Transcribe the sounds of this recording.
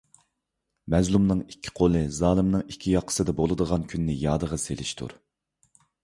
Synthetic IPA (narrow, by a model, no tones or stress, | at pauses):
mɛzlˠumnɨŋikʲʰːi̥qʰolˠɨzɑːlˠɨmnɨŋikʲʰːijɑqʰːə̥sɨd̪ɛbolˠɨd̪əʁɑnkʲʰynːɪjɑːd̪əʁɑselɪʃt̪ʰṵɾ